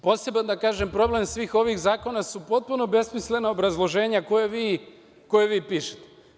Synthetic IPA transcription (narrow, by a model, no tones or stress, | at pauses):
pose̞band̪akaːʒempɾo̞ble̞msʋiːxo̞ʋixzaːko̞nasupo̞t̪̚puno̞be̞smisle̞naobɾazlˠo̞ʒe̞ːɲakojeʋiː | ko̞jeʋiːpiːʃe̥t̪e